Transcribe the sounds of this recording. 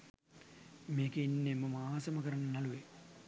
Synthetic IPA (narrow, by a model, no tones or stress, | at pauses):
meːkeinːeməmaaːsɐmɐkəɾɐnːɐnɐluʋe